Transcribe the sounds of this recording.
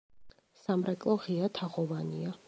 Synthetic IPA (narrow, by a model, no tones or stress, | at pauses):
samɾɛkʼlˠɔʁiat̪ʰaʁɔvania